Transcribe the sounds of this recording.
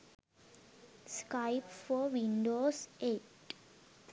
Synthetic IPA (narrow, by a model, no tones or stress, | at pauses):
skaɪpfɔɾʋĩɳɖoːseːʈ